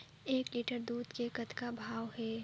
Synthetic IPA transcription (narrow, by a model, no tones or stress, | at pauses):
eːkliʈəɾd̪uːd̪kekət̪kabʱaːwɦɛː